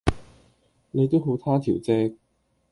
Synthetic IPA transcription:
ne˨˧t̪o˥wɦo˨˥wt̪ʰaː˥t̪ʰi˨˩wt͡sɛː˥k̚

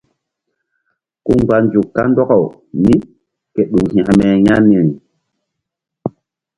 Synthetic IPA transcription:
ku˦ŋɡ͡ba˨nd͡ʒu˨kːa˦ndɔ˦ka˨w | ni˦ | ke˨ɗu˨ŋhĩ˨a˨mɛ˨ja˦ni˨ŋ˨

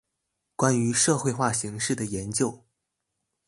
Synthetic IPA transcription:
kwa˥ny˧˥ʂɤ˥˧xwe˥˧ɪxwa˥˩ɕi˧˥ŋʂɻ̩˥˩d̪ə˩jɛ˧˥nt͡ɕjo˥˧ʊ

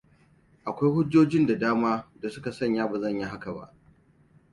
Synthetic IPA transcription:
ʔa˨kʷa˦jhʊ˦d͡ʒoː˦d͡ʒɪ˦nda˨daː˦maː˦da˨sʊ˦ka˨sɐ˦˨ɲjaː˦ba˨zɐ˦˨ɲji˦ɦa˦ka˨ba̰˦ʔ

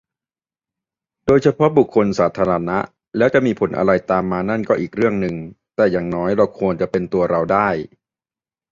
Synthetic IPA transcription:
doː˧jt͡ɕʰa˧pʰɔ˦˥bu˨˩kʰːo˧nsaː˩˦t̪ʰaː˧ɾa˧na˦˥ʔ | lɛː˦˥wt͡ɕa˨˩ʔmiː˧pʰo˩˦nʔa̰˧ɾa˧jt̪aː˧mːaː˧na˥˩nkɔː˥˩ʔiː˨˩k̚ɾɯ˥˩əŋnɯ˨˩ŋt̪ɛː˨˩jaː˨˩ŋnɔː˦˥jɾa˧wkʰu˧ənt͡ɕa˨˩ʔpe˧nt̪u˧ɐɾa˧wdaː˥˩j

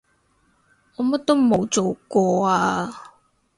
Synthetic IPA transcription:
ɔː˨˧mɐ˥t̚t̪ːo˥wmo˨wt͡so˨˩wkɔː˧aː˧

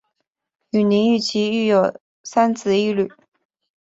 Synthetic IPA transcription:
y˨˩ni˧˥ŋy˥˩t͡ɕʰi˧˥y˥˩jo˨˩ʊ | sa˥nt͡sʰɹ̩˥˧i˥ly˥˩˦

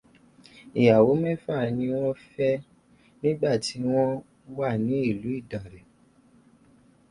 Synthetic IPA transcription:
i˨ja˨wo˨˦mɛ̃˦fa˦˨nĩ˧w̃ɔ̃˦fɛ˦ | nĩ˦ɡ͡ba˦˨ti˨˧˦w̃ɔ̃˦ | wa˦˨nĩ˨˦i˦˨lu˨˦i˦˨da˨ɾɛ˨

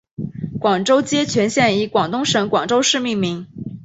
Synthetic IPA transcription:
kwɑ˨˩ŋʈ͡ʂo˥ʊt͡ɕjɛ˥t͡ɕʰɥɛ˧˥nɕjɛ˥˩ni˧˥kwɑ˨˩ŋt̪ʊ˥ŋʂɤ˧˥ŋkwɑ˨˩ŋʈ͡ʂo˥ʊʂɻ̩˥˧mi˥˩ŋmi˧˥ŋ

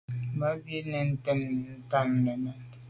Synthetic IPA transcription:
ma˦bji˦nɛ˨n̩˦tɛ˦nː˨n̩˦ta˦mnɛ˨nɛ˨n

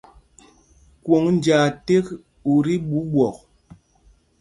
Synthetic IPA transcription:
kwo˨ŋn̩˦d͡ʒaː˨te˦k | u˨ɾi˦ɓu˨˦ɓwɔ˨k̚

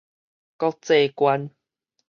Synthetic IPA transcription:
kɔ˦t͡se˨kwa˧˦n

